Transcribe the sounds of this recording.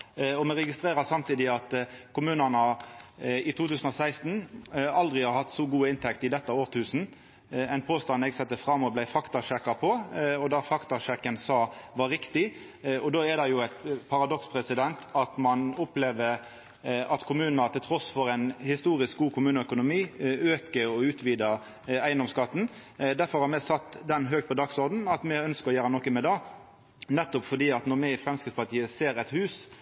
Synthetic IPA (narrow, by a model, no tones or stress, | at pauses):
ɔmɛʁɛɡɪst̪ɾeːɾɑsɑmt̪ʰiːd̪ɪɑt̪kʰʊmʉːnɑnɑ | ɪt̪ʰuːt̪ʉːsən̩ɔsæɪst̪n̩ɑld̪ʁɪhɑɾhɑt̪ːsɔɡuːəɪnt̪ʰɛkt̪ɪd̪ɛt̪ːəoːʁt̪ʰʉːsn̩ | ɛɪnpʰoːst̪ɑnɛɡsɛt̪ːəfʁɑmːɔblæɪfɑkt̪ɑʂɛkːɑpʰɔɔd̪ɑɾfɑkt̪ɑʃɛkːənsɑːʋɑɾːɪkt̪ɪ | ɔd̪oːɛd̪ɑjʊæɪt̪pʰɑɾɑd̪ɔkspʰʁɛsɪd̪ɛnt̪ʰɑt̪mɑnɔpleːʋəɾ | ɑt̪kʰʊmʉːnnət̪ʰɪlt̪ʰɾɔsfɔɾæɪnhɪst̪uːɾɪsk̚ɡuːkʰʊmʉːnəœkʊnʊmiːøːkəɔʉːt̪ʋiːd̪ə | æɪənd̪ɔmskɑt̪ːn̩d̪æɾfɔɾhɑɾmɛsɑt̪ːd̪ɛnɦøːɡ̚t̪pɔd̪ɑːɡsɔɾd̪n̩ɑt̪mɛœnskəɾɔjæːɾənɔkːəmɛd̪ɑː | nɛt̪ːʊpfɔɖ̪iːɑt̪nɔɾmɛɪfɾɛmskɪt̪spɑt̪ʰiːəseːɾɛt̪hʉːs